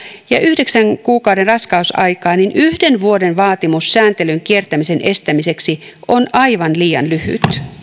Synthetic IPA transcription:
jɑʔyhdeksæŋkuːkɑuwdenrɑskɑusɑikɑːninʔyhdenʋuodenʋɑːt̪imusːæːnt̪elyŋkiert̪æmisenʔest̪æmiseksiʔonɑiʋɑnliːɑ̰nlyhy̰t̪

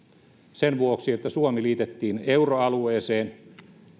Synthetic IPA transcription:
senʋuoksiet̪ːæsuomiliːt̪et̪ːiːneuroɑlueːseːn

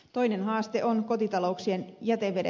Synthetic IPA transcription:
t̪o̞jnenɦɑːst̪eʔonko̞t̪it̪ɑlo̞uksienjæt̪eʋːeɾe

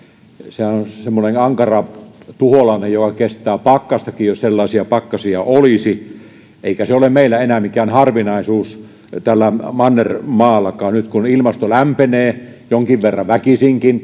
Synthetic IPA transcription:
sehænonsemːonenɑŋkɑrɑt̪uholɑnejjokɑkest̪ˑæːpɑkːɑst̪ɑkijjosselːɑˑesiɑpɑkːɑsiɑolisi | ʔeikæseolemmeilːæenæmikæːnhɑrʋinɑˑisuːs | t̪ælːæmɑnːermɑːlːɑkɑːnnyt̪kunilmɑst̪olæmpeneːjoŋkiʋʋerːɑʋækisiŋkin

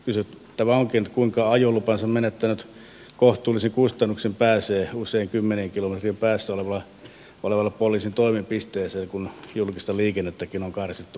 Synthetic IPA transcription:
kysyt̪ | t̪æmæoŋkint̪kuiŋkɑɑjolːupɑnsɑmmenet̪ːænyt̪ | koht̪ˑuːlisiŋkust̪ɑnːuksempæːseːuseiŋkymːeneŋkilomet̪rimpæːsːæoleʋɑlɑ | oleʋɑlːɑpolˑiːsint̪oimimpist̪eːseːkunjulkist̪ɑliːkenːet̪ːækinoŋkɑrsit̪ːu

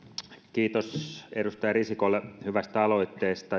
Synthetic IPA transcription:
kiːt̪osedust̪ɑjɑrisikolːehyʋæst̪æɑlo̞it̪ːeːst̪ɑ

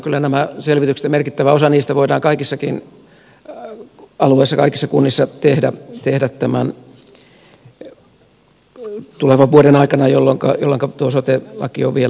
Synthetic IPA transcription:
kylːænæmæselʋit̪ykse̥t̪emerkit̪ːæʋæosɑniːst̪æʋoidɑːŋkɑikisːɑkin | ɑlueisːɑkɑikisːɑkunːisːɑt̪ehdæt̪ehdæt̪t̪æmæn | t̪uleʋɑʋʋuoɾenɑikɑnɑjolːoŋkɑ̰jo̰lːeŋkɑt̪uosot̪elɑ̰kio̰ʋʋiel

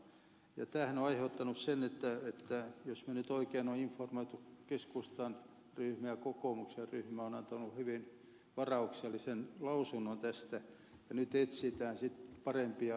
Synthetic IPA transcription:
jɑ̰t̪æːhænoɑiheut̪ːɑnussenet̪ːæet̪ːæjosmænyt̪oikeːnoiɱformoit̪ukeskust̪ɑn | ryhmæjɑkokoˑmukserryhmæonɑnt̪ɑnuhyʋin | ʋɑrɑukselːisenlɑusunːont̪æst̪æ | jɑnyt̪et̪sit̪æːnsit̪pɑrempiɑ

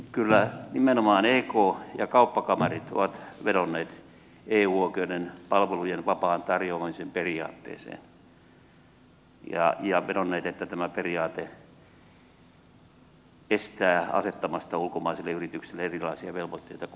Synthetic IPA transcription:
kylːænimenomɑːneːkoːjɑkɑupːɑkɑmɑrit̪o̰ʋɑt̪ʋetonːeːt̪ | eːuːoikeudenpɑlʋelujenʋɑpɑːnt̪ɑrjoɑmisemperiɑ̰ːt̪ːḛːsḛːn | jɑ̰jɑʋeɾonːeːt̪et̪ːæt̪æmæperiɑːt̪e | est̪æːɑ̰set̪ːɑmɑst̪ɑulkomɑiselːeyrit̪yksilːeerilɑisiɑʋelʋot̪ːeit̪ɑ

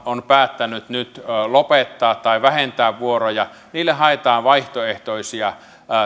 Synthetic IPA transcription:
onpæːt̪ːænyt̪nyt̪ːlopet̪ːɑːt̪tɑiʋæhent̪æːʋʋuorojɑ | niːlːeɦɑet̪ɑːʋʋɑiht̪oeht̪oisiɑ

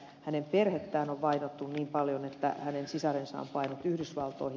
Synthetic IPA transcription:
hænemperhet̪ːæːnoʋʋɑinot̪ːunniːmpɑljonet̪ːæ̰hænensisɑrensɑ̰ːmpɑinot̪yhdysʋɑlt̪oihi

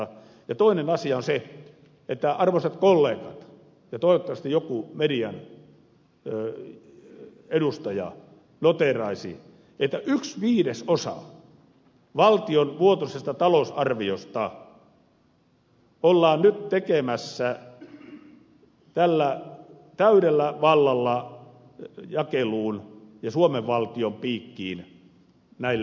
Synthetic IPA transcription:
jɑt̪oinenɑsiɑonse | et̪ːæɑrʋoset̪kolːeːkɑt̪ | jɑt̪oˑiʋot̪ːɑʋɑst̪ijokumediɑn | edust̪ɑjɑ̰ | not̪erɑisḭ | et̪ːæʔyksʋiːdesosɑ̰ | ʋɑlt̪ionʋuot̪osest̪ɑt̪ɑlosɑrʋiost̪ɑ | olːɑːnnyt̪t̪ekemæsːæ | t̪ælːæ | t̪æyɾelːæʋɑlːɑlːɑ | jɑkeluːnjɑsuomeʋʋɑlt̪iompiːkːiːn | næilː

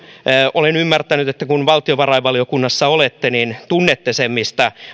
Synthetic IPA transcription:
ʔolenymːært̪ænyt̪et̪ːækunʋɑlt̪ioʋɑrɑiʋɑliokunːɑsːɑolet̪ːenint̪unːet̪ːesemːist̪ɑ

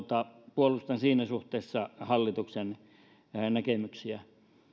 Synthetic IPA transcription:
t̪ɑpuolust̪ɑnsiːnæsuht̪eːsːɑhɑlːit̪uksen | nækemyksiæ

